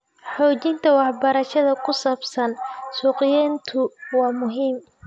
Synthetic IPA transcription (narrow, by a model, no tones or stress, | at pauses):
ħɔːt͡ʃɪnt̪ʰɐwɑħbɐɾɐʃɐðɐkʰʊsaːbsɐnsuːqɪjɛːnt̪ʰʊwɑːmʊɦiːm